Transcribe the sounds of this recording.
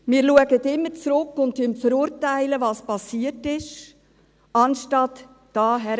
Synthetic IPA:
miːɾluəɡətɪmːət͡sɾʊkːʊntːɪmfəɾuːɾtæɪləvɑːspɑsiːətɪʃ | ɑnʃtɑt | d̥ɑːɦɛɾ

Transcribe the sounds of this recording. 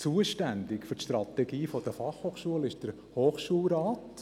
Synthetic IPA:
t͡suːəʃtændɪkfʏɾtʃtrɑtɛɡiːfɔd̥əfɑχhoːχʃuəlɪʃd̥əɾ | hoːχʃuəlɾaːt

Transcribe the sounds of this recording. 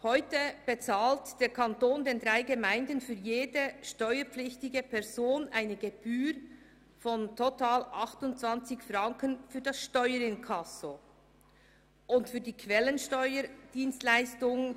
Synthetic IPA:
hɔʏtəb̥et͡saːltd̥eːkʰantoːndeːndʁaɪɡemaɪndənfyːjeːdəʃtɔʏəɾpp͡flɪçtɪɡəpʰɛʁzoːnʔaɪnəɡeb̥yːɾ | fɔntʰotaːlʔɑχtʊnt̚t͡sv̥ɑnt͡sɪçfʁɑŋkənfyːdɑsʃtɔʏəɾɪnkʰɑso | ʔʊntfyːdiːkʰv̥ɛlənʃtɔʏəd̥iːnstlaɪstʊŋ

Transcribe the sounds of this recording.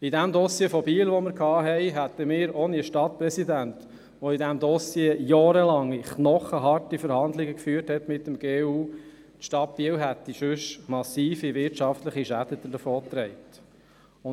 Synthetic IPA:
id̪æmd̪ɔsjeːfɔbiːəlʋɔmɪɾkʰɑːɦɛɪɦæt̪əmɪːɾɔniəʃtɑt̚pɾɛsid̪ænt̪ | ʋoidæmd̪ɔsjeːjɔːɾəlɑŋːiχnɔχəɦɑrtifəɾhɑnd̪lɪɡəkfyːəthɛt̪mɪtːəmɡeːuː | tʃtɑt̚piːəlɦæt̪ːiʃʉʃmɑsiːfiʋɪɾtʃɑft̪ləχiʃæd̥̪əd̪ədəfɔːt̪ɾɛɪt̪ | ʊ

